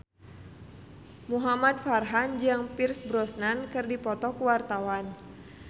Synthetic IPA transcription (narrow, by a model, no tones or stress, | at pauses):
muɦamad̪̚farɦand͡ʒaŋpirsbɾɔsnankɨrdipɔt̪ɔkuwart̪awan